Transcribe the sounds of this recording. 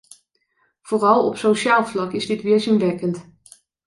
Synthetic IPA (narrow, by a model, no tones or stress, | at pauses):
v̥oːrɑlˠɔ̰psowʃaːlˠvlɑkɪzdɪtʋɪəɹzɪnʋɛkənt